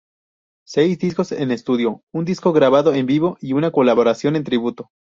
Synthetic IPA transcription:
se̞jzd̪isko̞se̞ne̞st̪uðjo̞und̪isko̞ɣɾaβaðo̞embiβo̞ʔiunako̞laβoɾasjo̞ne̞nt̪ɾiβut̪o̞

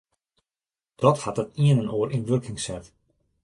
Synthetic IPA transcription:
d̥ɔthat̚dətiənənoːəɾʔinʋørkʰɪŋsɛt

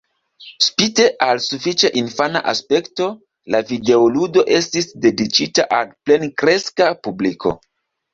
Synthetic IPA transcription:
spite̞ʔalsufit͡ʃaʔinfana̰ʔaspe̞kto̞ | lavide̞oludo̞ʔe̞stisde̞dit͡ʃitaʔalple̞nkɾe̞skapublikʰo̞̰

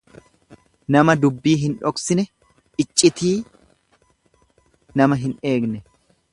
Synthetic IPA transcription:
nɐmɐd̪ʊbːiːɦɪnᶑɔksɪnɛ | ʔɪt͡ʃʼːɪt̪iː | nɐmɐɦɪne̞ːɡnɛ

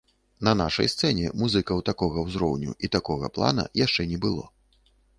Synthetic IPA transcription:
nɐnaʂɐ̰jst̪sɛnʲɛmuzɨkɐwt̪akɔɣɐwzɾɔwnʲṵʔit̪akɔɣɐ̰plˠa̰nɐ̰jaʂt͡ʂɛnʲɛbɨlˠɔ̰

